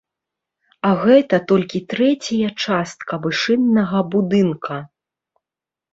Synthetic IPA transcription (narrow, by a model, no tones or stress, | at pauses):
ɐɣɛt̪ɐt̪ɔlʲkʲit̪ɾɛt͡sʲɐjɐt͡ʂast̪̚kɐvɨʂɨnːɐɣɐbud̪ɨnkʰɐ